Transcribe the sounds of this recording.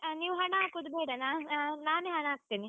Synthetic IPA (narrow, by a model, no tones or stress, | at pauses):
aniːʋuɦɐɳɐaːkud̪beːɽɐnaːanaːneːɦɐɳɐaːk̚t̪iːni